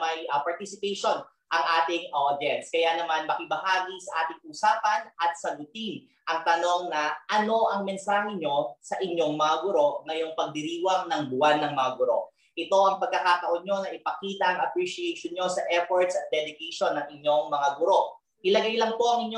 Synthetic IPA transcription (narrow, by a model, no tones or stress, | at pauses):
mɐjɐpɐɹt̪isɪpɛjʃo̞n | ʔɐŋʔaːt̪ɪŋʔod̪jɛnskɐjanɐmanmɐkɪbɐhaːɡisɐʔaːt̪ɪŋuːsaːpɐnʔɐt̪̚sɐɡʊt̪in | ʔɐŋt̪ɐno̞ŋnɐʔɐno̞ʔɐŋmɛnsaːhɛɲo̞sɐʔɪɲːo̞ŋmɐŋaɡʊɾo̞ŋɐjʊŋpɐɡ̚d̪ɪɾiːwɐŋnɐŋbʊwanːɐŋmɐŋaɡʊɾo̞ | ʔɪt̪o̞ʔɐŋpɐɡ̚kːɐkaːt̪ɐʔonɲo̞nɐʔɪpɐkiːt̪ɐʔɐŋʔɐpɹiʃiɛjʃonɲo̞sɐʔɛfoɹt̪sɐt̪̚d̪ɛlɪɡɛjʃo̞nːɐŋɪɲjo̞ŋmɐŋaɡʊɾo̞ | ʔɪlɐɡajlɐŋpo̞ʔɐŋɪɲːo